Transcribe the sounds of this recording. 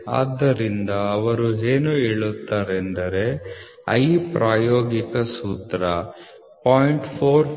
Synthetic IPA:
a̰ːd̪ːɐɾind̪ɐːʋɐɾueːnuiɭut̪ːaːɾend̪ɐɾe̞ | ɐ̰jpɾʔaːjoːɡikɐsuːt̪ɾɐ | paːjiɳʈpʰoːɾ

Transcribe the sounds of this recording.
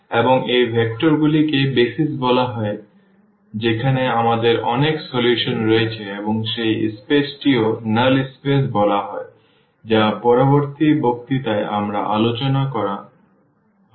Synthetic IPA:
eboŋejbʱɛkʈoɾɡulikebesisbɔlaɦɔe | d͡ʑekʰaneamad̪eɾɔ̰neksoljuʃonɾoet͡ɕʰeeboŋʃejḭspesʈionalispes̬bɔlaɦɔe | d͡ʑapɔɾoboɾt̪ibʱok̚t̪it̪aea̰mɾa̰ʔa̰lot͡ɕonakɔɾa

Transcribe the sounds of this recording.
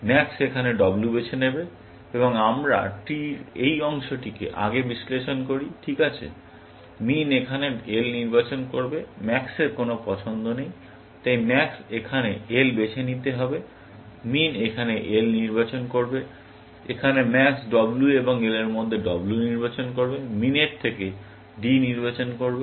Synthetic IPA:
mɛksekʰaneɖɔblubet͡ɕʰenebe | eβoŋamɾa̰ʈiɾejɔŋʃoʈikḛʔa̰ɡebisleʃonkoɾiʈʰikat͡ɕʰḛ | minekʰaneelniɾbat͡ɕonkoɾbemɛkseɾkonopɔt͡ɕʰond̪onej | t̪ajmɛksekʰaneelbet͡ɕʰenit̪eɦɔbe | minekʰaneʔelniɾbat͡ɕonkoɾbe | ekʰanemɛksɖɔblueboŋeleɾmod̪ʱːeɖɔbluniɾbat͡ɕonkoɾbemineɾt̪ʰeke | ɖiniɾbat͡ɕonkoɾbe

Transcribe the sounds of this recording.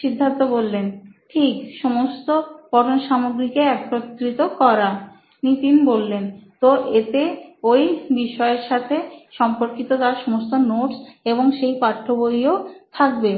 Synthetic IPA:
ʃid̪ʱːant̪obolːenʈʰikʃɔmost̪opɔʈonʃamoɡɾikeɛkɾot̪ːɾit̪okɔɾa | nit̪inbolːent̪oʔet̪eojbiʃɔeeɾʃat̪ʰeʃɔmpoɾkit̪ot̪aɾʃomost̪onoʈseboŋʃejpaʈʰːoboiot̪ʰak̚be

